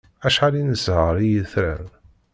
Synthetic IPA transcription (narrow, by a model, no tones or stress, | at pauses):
æʃħalinəzhəɾˤijəθɾæ̰n